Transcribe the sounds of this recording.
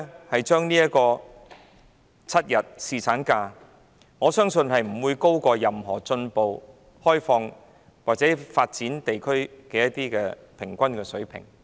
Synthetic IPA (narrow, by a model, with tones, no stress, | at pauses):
hɐ˨jt͡ʃœː˥ŋniː˥jɐ˥t̚kɔː˧ | t͡sʰɐ˥t̚jɐ˨t̚siː˨t͡sʰaː˨˥nkaː˧ | ŋɔː˨˧sœː˥ŋsɵ˧nhɐ˨jm̩˨˩wuː˨˧jko˥wkɔː˧jɐ˨mɦɔː˨˩t͡sɵ˧npo˨w | hɔː˥jfɔː˧ŋ | waː˨k̚t͡sɛː˨˥faː˧t̚t͡siː˨˥nt̪e˨jkʰɵ˥ɥkɛː˧jɐ˥t̪iː˥kɛː˧ | pʰɪ˨˩ŋkʷɐ˥nkɛː˧sɵ˨˥ɥpʰɪ̰˨˩ŋ